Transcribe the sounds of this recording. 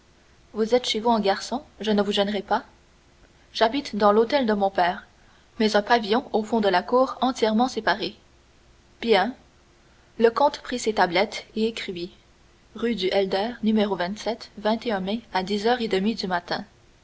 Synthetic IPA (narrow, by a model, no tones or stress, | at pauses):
vuzɛt̪ʃevuɛ̃ɡaʁsɔ̃ʒənəvuʒɛnʁɛpa | ʒ̥abit̪d̪ɑ̃lot̪ɛld̪əmɔ̃pɛːʁ | mɛzɛ̃pavijɔ̃ofɔ̃d̪əlakuːʁɑ̃t̪jɛʁmɑ̃sepaʁe | b̥jɛ̃ | ləkɔ̃t̪pχiset̪ablɛt̪eekχivi | ʁyd̪yʔɛld̪ɛːʁnymeʁovɛ̃t̪sɛt̪vɛ̃t̪eœ̃mɛad̪izœːʁed̪əmid̪ymat̪ɛ̃